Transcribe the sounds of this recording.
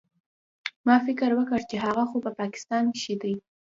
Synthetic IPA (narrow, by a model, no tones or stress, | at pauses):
mɑfɪkəɾwəkəɾt͡ʃeɦaɣaxopəpɑkɪ̥st̪ɑnkʃid̪əj